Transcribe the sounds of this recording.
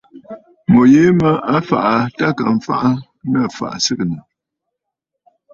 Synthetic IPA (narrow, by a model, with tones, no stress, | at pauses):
mo˨jeː˦mə˦a˦fa̰˨ʔa˨ta˦ka˨ɱ̩˨fa̰˦ʔa˦ | nə˦˨fa̰˨ʔsɨ˦kə˨nə˨